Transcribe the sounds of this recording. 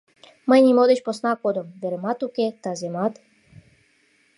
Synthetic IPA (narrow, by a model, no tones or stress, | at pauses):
məjnʲimod̪eɕposnakod̪ɔmveɾmat̪uket̪azemat̪